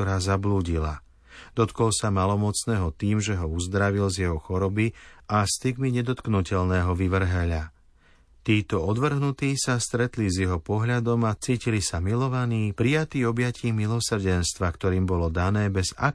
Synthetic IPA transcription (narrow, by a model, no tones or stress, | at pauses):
ɔɾaːzabluːɟila̰ | d̪̥ɔt̪kɔlsamalɔmɔt͡snɛːɦɔt̪iːmʒɛɦɔuzd̪ɾaʋilzjɛɦɔxɔɾɔbiʔast̪iɡmiɲɛd̪ɔt̪knucɛʎnɛːɦɔʋiʋr̩ɦɛʎa | t̪iːt̪ɔɔd̪ʋr̩ɦnut̪iːsast̪ɾɛt̪lizjɛɦɔpɔɦʎad̪ɔmat͡siːcilisamilɔʋaniːpɾijat̪iːɔbjaciːmilɔsr̩ɟɛnst̪ʋakt̪ɔɾiːmbɔlɔd̪anɛːbɛza̰